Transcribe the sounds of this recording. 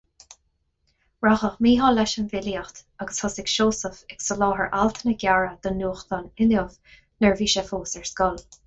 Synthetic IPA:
ɹaxəxmiːɦɑːlɛʃənvɪliaxt̪aɡəshɔsɪkʃoːsəfɛksəlɔːɦəɹʔalt̪ʰənəɡʲjaɹəd̪̥ənuːxt̪ɔnɪləv | nəɹviːʃɛfoːsɛɹskɔl

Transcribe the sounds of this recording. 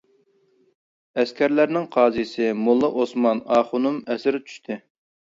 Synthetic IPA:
ɛskʲʰæɾlæɾnɪŋqʰɑːzijsɪmulˠːɨʔosmɑnɑːχʊnumɛsɪɾt͡ʃʰy̥ʃt̪ʰɪ

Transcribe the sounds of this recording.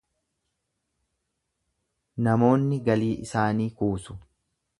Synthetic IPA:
nɐmo̞ːnːɪɡɐliːʔɪ̰saːniːkuːsʊ̥

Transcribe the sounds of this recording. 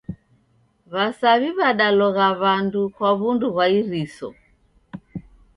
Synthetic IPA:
βasaβiβaɗalɔɣaβandukwaβunduβwaiɾisɔ̰

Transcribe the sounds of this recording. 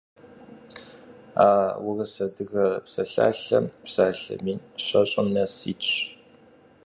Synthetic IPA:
aːwʊrɐsɐdɨɣɐpsɐɬa̰ːɬɐ̰mpsaːɬɐ̰miːnɕɐɕʼɐmnɐsiːtɕ

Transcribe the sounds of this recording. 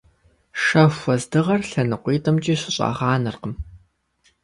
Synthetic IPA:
ʂɐfʷɐzdɨʁɐrɬɐnɨqʷiːtʰʼɐmt͡ʃʼiːɕɪɕʼɑ̰ːʁɑːnɨrqəm

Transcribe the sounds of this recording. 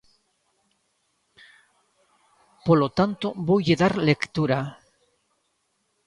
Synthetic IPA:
polot̪ant̪obojʎeðaɾlekt̪uɾa

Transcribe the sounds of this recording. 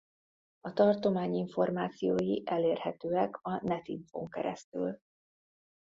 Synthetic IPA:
ɒt̪ɒrt̪o̞maːɲiɱfo̞rmaːt̪sijoːjiʔɛleːrhɛt̪øːɛkʰɒnɛt̪iɱfo̰ŋkɛ̰ɾɛ̰st̪y̰l

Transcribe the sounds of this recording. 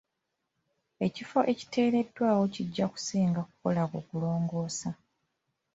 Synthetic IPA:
e̞cifo̞ʔe̞ci̥te̞ːɾe̞dwaːwo̞ciɟːaku̥siːŋɡaku̥ko̞lakoːkulo̞ːŋɡo̞ːsa

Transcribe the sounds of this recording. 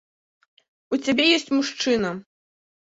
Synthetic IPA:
ut͡sʲabʲɛjɔsʲt͡sʲmuʂt͡ʂɨnɐ

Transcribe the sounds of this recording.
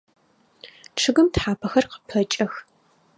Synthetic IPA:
ʈ͡ʂʰɨɣɨmtħaːpʰɐxɐrqə̥pʰɐt͡ʃʼɐx

